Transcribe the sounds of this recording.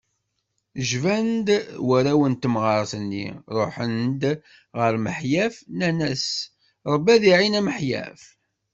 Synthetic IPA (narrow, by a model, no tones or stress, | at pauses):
ʒvænd̪wæɾæwənt̪əmʁɑɾˤθənːḭɾˤoħənd̪ | ʁəɾməħjæfnænæs | ɾˤəbːæðiʕinæməħjæ̰f